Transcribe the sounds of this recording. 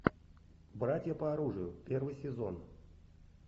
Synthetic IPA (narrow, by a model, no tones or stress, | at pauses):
bɾatʲjəpəɐɾuʐɨjʊpʲervɨjsʲɪzo̞̰n